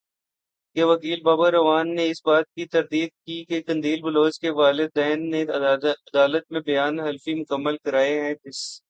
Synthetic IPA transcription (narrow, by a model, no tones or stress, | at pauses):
keʋɐkiːlbaːbaɾɐʋaːnːeɪsbaːt̪̚kit̪ɐɾd̪iːd̪̚kikekɐ̃nd̪iːlbʊloːt͡ʃkeʋaːlɪd̪̚ːɛːnːeɐd̪aːlət̪̚mẽbɐjaːnɦɐlfimʊkəmːəlkɐɾaːeɦɛ̃tɪs